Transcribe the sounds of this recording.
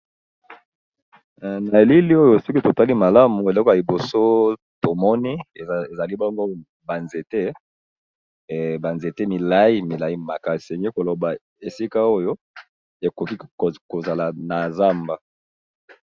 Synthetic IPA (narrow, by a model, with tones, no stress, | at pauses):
na˨e˨li˦li˦o˦jo˦si˦ki˦to˨ta˦li˦ma˨la˦mu˨e˨lɔ˦kɔ˦ja˨i˨bo˨so˦ | to˨mɔ˦ni˦˨e˨za˨li˦bɔ˦ŋɡo˦ | ba˨nze˨te˦˨ | ba˨nze˨te˦mi˨la˦i˦mi˨la˨˦i˦ma˨ka˦se˨ŋɡe˦ko˨lo˨ba˨ | e˨si˦ka˦o˦jo˦ | e˨ko˨ki˦˨ko˨za˨la˨na˨za˦mba˦